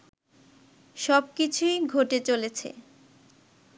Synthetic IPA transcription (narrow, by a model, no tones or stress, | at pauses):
ʃɔb̚kit͡ɕʰujɡʱoʈet͡ɕolet͡ɕʰḛ